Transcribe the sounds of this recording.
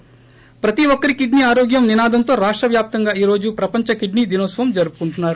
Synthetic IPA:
pɾɐt̪iʋokɐɾikiɖniaːɾoːɡjɐmninaːd̪ʱɐnt̪o̞ːɾaːʂʈɾɐʋjaːp̚t̪ɐŋɡaːiːɾo̞ːd͡ʒupɾɐpɐɲt͡ʃɐkiɖnid̪inɐːsʋɐmd͡ʒɐɾupu̥kuɳʈunːaːɾu

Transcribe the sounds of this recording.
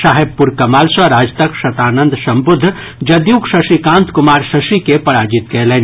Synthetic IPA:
saːɦeb̚puɾkɐmaːlsəɾaːd͡ʒt̪əkʃɐt̪aːnə̃nd̪sɐ̃mbʊd̪ʱː | d͡ʒɐd̪juːkʃɐsikãːnt̪kʊmaːɾsɐsikepɐɽaːd͡ʒit̪kɛɦlɛn

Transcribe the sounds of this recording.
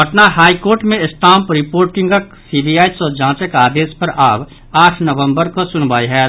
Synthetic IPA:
bɐʈnaɦaːikoːɾʈmẽɪsʈãːmpɾɪpoːɾʈɪ̃ŋɡək | siːbijaːisɔd͡ʒãːt͡ʃəkaːd̪eːspɐɾʔaːb | aːʈʰnɐʋə̃mbəɾkosʊnbaːiɦɛː

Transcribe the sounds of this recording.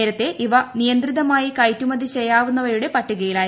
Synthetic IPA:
eːɾɐt̪ːe̞ʔiʋɐnijɐnd̪riðɐmaːjikɐjtːumɐd̪it͡ɕejaːʋunːɐʋɐɾuɽe̞pɐʈːuɣɐjiɭaː

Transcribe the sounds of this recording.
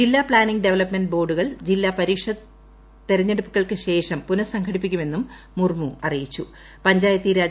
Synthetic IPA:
d͡ʑilːaːpɭaːniŋɡɖeʋɐlɐpmenɖbo̞ːɖuɣɐɭd͡ʑilːaːpɐɾiːkʂɐ | t̪ːe̞ɾɐɲːeɽupːuɣɐɭkɨɕe̞ːʂɐmpunɐsɐŋkʰɐɽipːikʲːume̞nːumː | urmuɐrijit͡ɕːu | pɐɲd͡ʑaːjɐt̪ːiɾaːd͡ʑ

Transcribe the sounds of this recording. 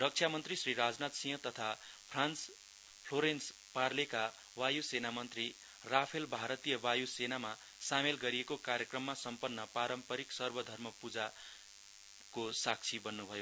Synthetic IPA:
rʌk̚t͡sʰjamʌnt̪risriɾad͡znat̪sĩjɦʌ̃t̪ʌt̪ʰa | pʰrans | pʰloɾens | parleka | wajusenamʌnt̪ri | rapʰelbʱaɾʌt̪ijʌbajusenama | samelɡʌɾiekokaɾjekrʌmːasʌmpʌnːʌpaɾʌmpʌɾiksʌrbʌd̪ʱʌrmʌpud͡za | kosak̚t͡sʰibʌnːubʱʌjo

